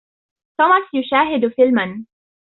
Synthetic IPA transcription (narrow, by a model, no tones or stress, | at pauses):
t̪oːmasjʊʃaːɦɪd̪fɪlman